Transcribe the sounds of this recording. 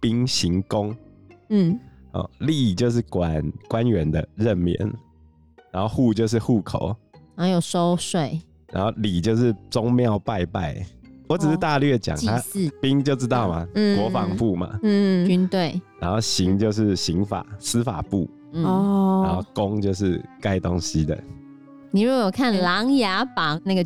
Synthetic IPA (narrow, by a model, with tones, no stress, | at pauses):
pi˦ŋɕi˨˦ŋko˦ŋ̩˥˩ | ɔ̰˨˩li˥˨t͡ɕjo˥˧ʊʂ̬ɻ̩˥˩kwa˨˩nkwa˦nɥɛ˨˦nd̪ə˨ɻə˥˨nmjɛ̰˨˦n | ɻɻã˧˦nxo˥˧ʊxu˥˧t͡ɕjo˥˧ʊʂ̬ɻ̩˥˨xu˥˩kʰo˨˩˦ʊɻa˨˦jo˨˩so˦˥ʊswe˥˨˩ɪ | ɻa˧˥nxo˥˨ʊli˨˩t͡ɕjo˥˧ʊʂɻ̩˥˩t͡sʊ˦ŋmjɑ˥˨ʊpa˥˧ɪpa̰˥˩ɪwɔ˧˦ʈ͡ʂ̩˨˩ʂɻ̩˥˩t̪a˥˧lɥɛ˥˩t͡ɕja̰˨˩ŋt̪ʰa˧˦˥pi˦ŋt͡ɕjo˥˧ʊʈ͡ʂɻ̩˥t̪ɑ˥˨˩ʊma˨˥kwɔ˧˦fɑ˨ŋfu˥˩ma̰˩˥˨t͡ɕy˥nt̪we˥˩ɪɻa˧˦nxo˥˨˩ʊɕi˨˦ŋt͡ɕjo˥˧ʊʂ̬ɻ̩˥˩˨ɕi˨˦ŋfa̰˨˩˦s̩˥fa̰˨˩pṵ˥˨˩ | ɔ˧˦nxo˥˧ʊko˦˥ŋt͡ɕjo˥˧ʊʂ̬ɻ̩˥˩ka˦ɪt̪o˦ŋɕi˧˦d̪ə̰˨ | ni˨˩ɻu˧˥ɡɔ˨˩jo˨˩kʰa˥˨nlɑ˧˥˦ŋja˨˥pa˨˩na˥˩ɡə˨˩